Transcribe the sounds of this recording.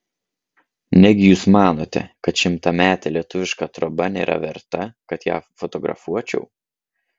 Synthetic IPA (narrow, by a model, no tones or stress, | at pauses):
nʲɛɡʲɪjuːsmɑːnoːt̪ʲɛ̰kɐt̪ʃʲɪmt̪ɐmʲæːt̪ʲɛlʲiɛt̪ʊʋʲɪʃkɑt̪ɾɔbɐnʲḛːɾʔɐ̰ʋʲɛ̰ɾt̪ɐkɐt̪jæ̰ːfɔt̪ɔɡɾɐ̰fuɔt͡ʃʲɛ̰ʊ